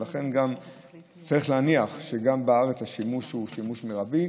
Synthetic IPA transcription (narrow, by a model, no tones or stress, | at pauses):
laχe̞nɡam | t͡saʁiχleaniaχʃeɡambeaʁet͡shaʃimuʃuʃimuʃmeʁabi